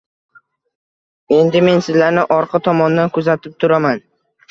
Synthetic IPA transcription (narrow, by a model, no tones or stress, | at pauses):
e̞nd̪ɪme̞nsɪzlaɾnɪʔɒɾqʰɑt̪ʰɒmɒnd̪ankʰʊzat̪ʰɪp̚t̪ʰʊɾaman